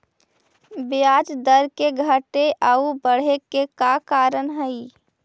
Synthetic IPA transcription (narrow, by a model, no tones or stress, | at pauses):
bɪjaːd͡ʒd̪əɾkeɡʱəʈeʔaubəɽ̤ekekakaːɾənɦəi